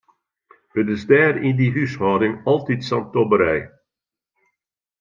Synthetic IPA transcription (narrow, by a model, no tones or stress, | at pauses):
hətɪzdɛːrindiɦyshɑːdɪŋɑlˠtitsɑntɔbəɾɛj